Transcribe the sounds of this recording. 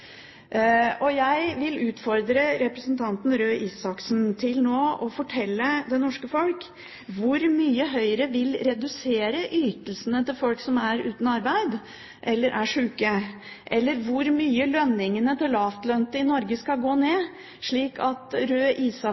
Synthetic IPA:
ʔɔjæɪʋɪlʉːt̪fɔɾd̪ɾəɾɛpɾəsənt̪ʰɑnt̪n̩ɾøːʔiːsɑksnt̪ʰɪlnoːɔfɔʈʰɛlːəd̪ɛnɔʂkəfɔlk | ʋʊɾmyːəɦœʏɾəʋɪlɾɛd̪ʉseːɾəʔyːt̪əlsənət̪ɪlfɔlksɔmæɾʉ̰ːt̪nɑɾbæɪd̪ | ʔɛlːəɾʔæʂʉːkə | ʔɛlːəɾʋʊɾmyːəlœnːɪŋənət̪ʰɪlɑft̪lœnt̪əɪnɔɾɡəskɑlɡoːneː | ʂɭiːkʰɑt̪ɾøːʔiːsɑ

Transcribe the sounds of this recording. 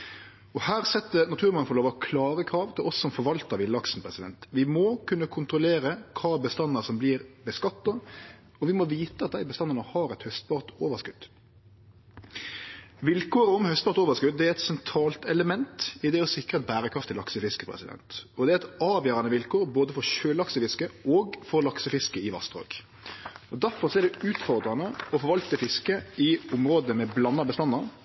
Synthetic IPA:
ɔhæːʁsɛt̪ːənɑt̪ʰʉːɾmɑŋəfɔloːʋɔkʰlɑːɾəkʰɾɑːʋt̪ʰɪlʔɔsːɔmfɔɾʋɑlt̪əɾʋɪlːəɑksn̩pʰʁɛsɪd̪ɛ̰nt̪ʋɪmokʰʉnːəkʰʊnt̪ʁʊleːɾəkʰɑːbəst̪ɑnːəsɔmbliːɾbəskɑt̪ːɑ | ɔʋɪmɔʋiːt̪əɑt̪̚d̪æɪbəst̪ɑnːəʁnəhɑːɾɛt̪hœst̪pɑːʁt̪oːʋəskʉd̪̥ | ʋɪlkoːɾəɔmhœst̪̚pɑɾt̪oːʋəskʉd̪̚d̪ɛæɾɛt̪sɛnt̪ʰɾɑːlt̪ɛləmɛnt̪ɪd̪ɛɔsɪkɾət̪̚bæːɾəkʰʁɑft̪ʰːɪlɑksəfɪskəpʰɾɛ̰sɪd̪ɛ̰nt̪ɔd̪ɛæɛt̪ɑːʋjøːɾɑnəʋɪlkoːɾboːd̪əfɔɾçøːlɑksəfɪskəɔːɡfɔɾlɑksəfɪskəɪʋɑ̰st̪o̰ːɡ̥ | ɔd̪æɾfɔɾsɔɛɖɛʉːt̪fɔɾd̪ɾɑnəɔfɔɾʋɑlt̪əfɪskəɪʊmɾoːd̪əmɛblɑnːɑbəst̪ɑnːɑɾ

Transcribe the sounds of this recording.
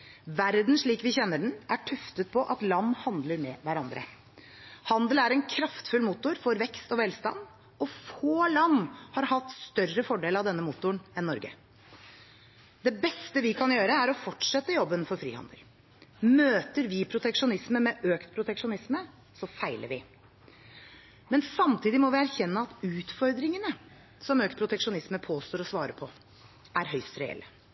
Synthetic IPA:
ʋæɾd̪n̩ʂɭiːkʋɪçɛnːəɖɳn̩ʔæʈʰʉft̪ət̪̚pʰɔʔɑt̪lɑnːhɑnd̪ləɾmɛʋæɾɑnd̪ɾə̰ | hɑnd̪əlæɾɛnkʰɾɑft̪fʉlmuːt̪ʊɾfɔɾʋɛkst̪ɔʋɛlst̪ɑ̰nd̪ | ɔfoːlɑnːhɑɾhɑt̪st̪œrəfɔɖeːlɑʋd̪ɛnːəmuːt̪ʊɳɛnːɔɾɡə̰ | d̪ɛbɛst̪əʋɪkʰɑnjøːɾəæɾɔfɔʈʂɛt̪ːəjɔbːənfɔɾfɾḭːhɑ̰nd̪ə̰l | møːt̪əɾʋɪpʰɾʊt̪ɛkʂʊnɪsməmɛʔøːkt̪pʰɾʊt̪ɛkʂʊnɪsmə | sɔfæɪlə̰ɾʋɪ | mɛnsɑmt̪ʰiːd̪ɪmɔʋɪæɾçɛnːəɑt̪ʉːt̪fɔɾd̪ɾɪŋənə | sɔmøːk̚t̪pʰɾʊt̪ɛkʂʊnɪsməpʰoːst̪oːɾɔsʋɑːɾəpʰɔ | æɾɦœʏst̪ɾɛɛ̰lːə

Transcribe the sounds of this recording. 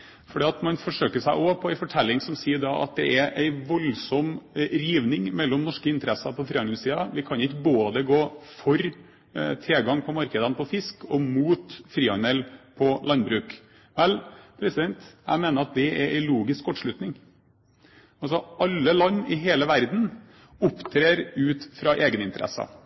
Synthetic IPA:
fɔɖiːɑt̪mɑnfɔʂøːkəʂæɪʔɔpʰɔæɪfɔʈʰɛlːɪŋsɔmsiːəɖɑʔɑ̰t̪̚d̪ɛʔæɾʔæɪʋɔlsɔmɾiːʋnɪŋmɛlːɔmnɔʂkəɪnt̪əɾɛsɑpʰɔfɾiːɑnsiːɑʋɪkʰɑnɪkːəboːd̪əɡoːfɔɾ | t̪ʰɾeːɡɑŋpʰɔmɑɾkəd̪ənpʰɔfɪskɔmuːt̪fɾiːɑnɛlpʰɔlɑnbɾʉːk | ʋɛlpʰɾɛsɪd̪ɛnt̪jæ̰ɪmeːnəɾɑt̪̚d̪ɛɛɾʔæ̰ɪluːɡɪskkɔʈːʂɭʉt̪nɪŋ | ɑlsɔɑlːəlɑnːɪɦeːləʋæɾd̪n̩ | ʊpːt̪ʰɾeːɾʉːt̪fɾɑʔeːɡənɪnt̪əɾʔɛ̰sɑ̰

